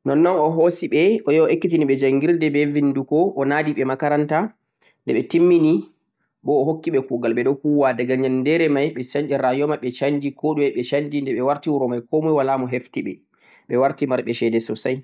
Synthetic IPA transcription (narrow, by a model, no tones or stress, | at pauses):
nɔnːɔnɔɦosiɓɛɔjɔɔʔekːitiniɓɛd͡ʒaŋɡiɾdɛbɛvindukɔʔɔnadiɓɛmakaɾanta | ndɛɓɛtimːini | ɓɔːɦokːiɓɛkuɡalɓɛɗɔkuwadaɡaɲalndɛɾɛmajɓɛsand͡ʒiɾajɔmaɓɛt͡ʃandikoɗumɛɓɛt͡ʃandindɛɓɛwaɾtiwuɾɔmajkɔmujwalaːmɔɦeftiɓɛ̰ | ɓɛwaɾtimaɾɓɛʃɛdɛsɔsaj